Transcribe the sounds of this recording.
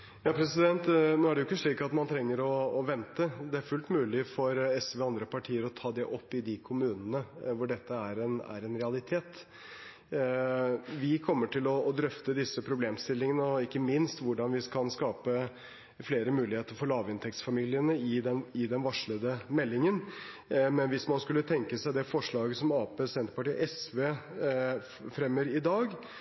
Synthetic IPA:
jɑːpʰɾɛsɪd̪ɛnt̪noːæɖɛʊɪkːəʂɭiːkɑt̪mɑnt̪ʰɾɛŋːəɾɔːʋɛnt̪əd̪ɛæɾfʉlt̪mʉːlɪfɔɾɛsʋeːɔɑnd̪ɾəpʰɑʈʰiːəɾɔt̪ʰɑːd̪ɛʔɔpːɪd̪ɪkʰʊmʉːnənəʋʊɖɛt̪ːəæɾɛnæ̰ɾɛnɾɛɑlɪt̪ʰeːt̪ | ʋɪkʰɔmːəʈʰɪlɔːd̪ɾœft̪əd̪ɪsːəpʰɾʊbleːmst̪ɪlːɪŋənəɔɪkːəmɪnst̪ʋʊɖɑnʋɪskɑnskɑːpə | fleːɾəmʉːlɪheːt̪əɾfɔɭɑːʋɪnt̪ʰɛk̚t̪sfɑmiːlɪənəɪd̪ɛnɪd̪ɛnʋɑʂɭəd̪əmɛlːɪŋən | mɛnʋɪsmɑnskʉlːət̪ʰɛŋkəsæɪd̪ɛfɔʂɭɑːɡəsɔmɑːpeːsɛnt̪əpɑʈiːʔɛsʋeː | fɾɛmːəɾɪd̪ɑːɡ

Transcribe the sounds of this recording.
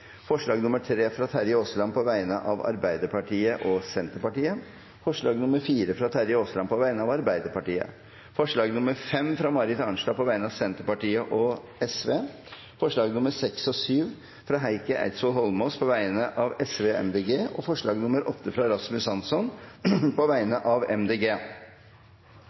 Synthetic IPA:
fɔʂɭɑːɡnʊməʈʰɾeːfɾɑt̪ʰæɾɪoːslɑnpʰɔʋæɪnəʔɑʋɑ̰ɾbæɪd̪əɾpɑʈʰiːəʔɔsɛnt̪əɾpɑʈiːə | fɔʂɭɑːɡnʊməɾfiːɾəfɾɑt̪ʰæɾɪoːslɑnpʰɔʋæɪnəɑʋɑɾbæɪd̪əɾpɑʈiːə̰ | fɔʂɭɑːɡnʊməɾfɛmfɾɑmɑɾɪt̪ɑɳʂlɑpʰɔʋæɪənəɑːʋsɛnt̪əɾpɑʈiːəʔɔ | ɛsʋeː | fɔʂɭɑːɡnʊməsɛksɔsyːʋ | fɾɑːɦæɪkəʔæ̰ɪt̪sɔlɦɔlmoːspʰɔʋæɪnəʔɑʋɛsʋeːɛ̰md̪eːɡeːɔfɔʂɭɑːɡnʊməɾʔɔt̪ːəfɾɑɛɾɑsmʉsɑnsɔnpɔʋæɪnəʔɑʋɛ̰md̪eːɡeː

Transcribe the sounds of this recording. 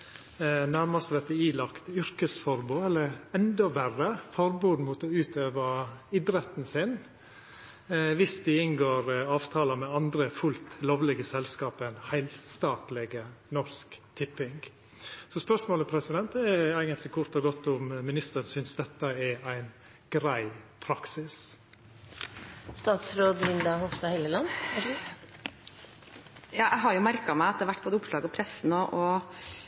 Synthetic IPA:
næɾməst̪ʋɛt̪ɪiːlɑkt̪ʏɾkəsfɔɾbuːɛlːəɾɛnd̪ɔʋærəfɔɾbuːd̪muːt̪ɔʉːt̪ʰøːʋəɪd̪ɾɛt̪n̩sɪn | ʋɪsd̪ɪɪnɡoːɾɑːʋt̪ʰɑːləmɛɑnd̪ɾəfʉlt̪loːʋlɛɡəsɛlskɑːpənhæɪlst̪ɑːt̪lɛɡənɔɾskt̪ʰɪpːɪŋɡ | sɔspœʂmoːləpʰɾɛsɪd̪ɛnt̪ɛæɪɡənt̪lɪkʰʊɾt̪ɔɡɔt̪ːʊmmɪnɪst̪əɾənsʏnsd̪ɛt̪ːəɛɾæɪn | ɡ̥ɾæɪpʰɾɑksɪs | st̪ɑːt̪sɾoːd̪ɪnd̪ɑhɔst̪ɑhɛləlɑn | jɑːʔæɪɦɑɾjʊmæɾkɑmæɪɑt̪̚d̪æʋæʈːb̥oːd̪əʊpʂlɑːɡəɔpʰɾɛsːnɔʔɔ

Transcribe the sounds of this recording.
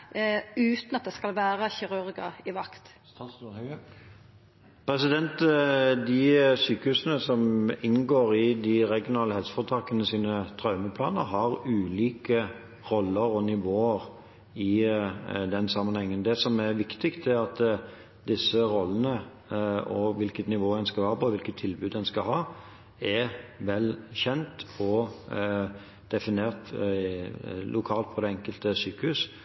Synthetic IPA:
ʉːt̪nɑt̪̚d̪ɛskɑlʋæːɾəçɪɾʉɾɡəɪʋɑkt̪ | pʰɾɛsɪd̪ɛnt̪d̪ɪsyːkəhʉːsənəsɔmɪnɡoːʁɪd̪ɪɾɛɡjʊnɑːləhɛlsə̥fɔt̪ʰɑːkənəsiːnət̪ʰɾɑʉməpʰlɑːnə̰ɦɑʁʉːliːkə | ʁɔlːəɾɔnɪʋoːəɾ | ɪ | d̪ɛnsɑmːənhɛŋːənd̪ɛsɔmæɾʋɪkt̪ɪkt̪æɾɑt̪ | d̪ɪsːəɾɔlːənə | ɔʋɪlkət̪nɪʋoːd̪ɛnskɑlhɑːpɔʋɪlkət̪ʰːɪlbʉːd̪ɛnskɑɦɑː | ɛʋɛlçɛnt̪ɔ | d̪̥ɛfɪneːʁt̪ | lʔʊkʰɑːlt̪̚pʰɔd̪ɛɛŋkəlt̪əsyːkəhʉs

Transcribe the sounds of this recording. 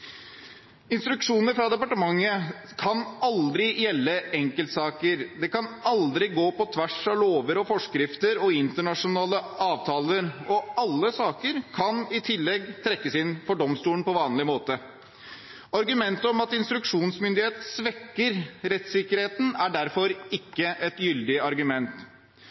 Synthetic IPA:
ɪnst̪ɾʉkʂuːnəɾfɾɑd̪ɛpɑʈəmɑŋːəkʰɑnɑld̪ɾɪjɛlːəɛŋkəlt̪sɑːkəɾd̪ɛkɑnɑld̪ɾɪɡoːpɔt̪ʰʋæʂɑʋloːʋəɾɔfɔʂkɾɪft̪əɾɔɪnt̪əɳɑʂʊnɑːləɑːʋt̪ʰɑːləɾɔɑlːəsɑːkəɾkʰɑnɪt̪ʰɪlːɛɡt̪ʰɾɛkːəsɪnfɔɖɔmst̪uːənpɔʋɑːnlɪmoːt̪ə | ɑɾɡʉmɛnt̪əɔmɑt̪ɪnst̪ɾʉkʂuːnsmʏnd̪ɪheːt̪sʋɛkːəɾɾɛt̪sɪkəɾheːt̪n̩æɖæɾfɔɾɪkːəʔɛt̪jʏld̪ɪəɑɾɡʉmɛnt̪

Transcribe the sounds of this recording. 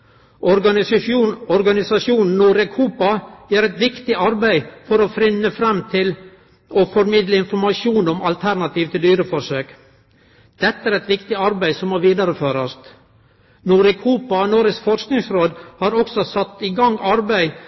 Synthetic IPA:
ʔɔɾɑ | ɔɾɡɑnɪsɑʂjuːnn̩nːuːɾɛkʰuːpɑjæːɾɛt̪ʋɪkt̪ɪɑɾbæɪfɔɾɔfɾɪnːəfɾɛmt̪ʰɪl | ɔfɔɾmɪd̪ləɪnfɔɾmɑʂjuːnɔmɑlt̪ʰæɾnɑt̪iːʋt̪ʰɪld̪yːɾəfɔsøːk | d̪̥ɛt̪ːəæːɾɛt̪ʋɪkt̪ɪɑɾbæɪsɔmːoːʋiːd̪ɑɾəføːɾɑst̪ | nuːɾɛkʰuːpɑnoːɾəsfɔɾsknɪŋsɾoːd̪hɑːɾɔksɔsɑt̪ːɪɡɑŋːɑɾbæɪ

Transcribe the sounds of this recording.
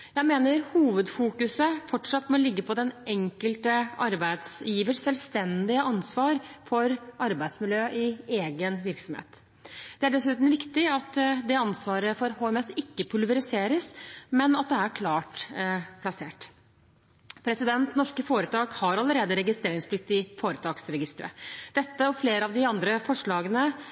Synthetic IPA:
jæɪmeːnəɾhuːʋəd̪fuːkʉsəfɔʈʂɑt̪ːmɔlɪɡːəpʰɔd̪ɛnɛŋkəlt̪əɑɾbæɪd̪sjiːʋəʂsɛlst̪ɛnd̪ɪəʔɑnsʋɑːɾfɔɾʔɑɾbæɪd̪smɪljøːʔɪeːɡənʋɪɾksɔmhḛːt̪ | d̪̥ɛæɖɛsʉːt̪n̩ʋɪkt̪ɪɑt̪d̪ɛɑnsʋɑːɾəfɔɾhoːɛmɛsɪkːəpʰʉlʋəɾɪseːɾəsmɛnɑt̪̚d̪ɛæɾkʰlɑːʈpʰlɑseːʈ | pʰɾɛsɪd̪ɛnt̪nɔʂkəfoːɾət̪ʰɑːɡhɑɾɑləɾeːd̪əɾɛɡɪst̪ɾeːɾɪŋspʰlɪkt̪ːɪfoːɾət̪ʰɑːksɾɛɡɪst̪əɾə̰d̪̥ɛt̪ːəɔfleːɾəɑʋd̪ɪɑnd̪ɾəfɔʂɭɑːɡənə

